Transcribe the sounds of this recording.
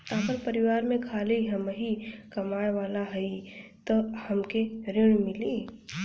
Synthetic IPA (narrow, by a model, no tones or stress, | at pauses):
aːpəɾpəɾɪwaːɾmẽkʰaːliɦɐmɦikɐmaːeʋaːlaɦəit̪ohɐmkeɾɪɽ̃mɪliː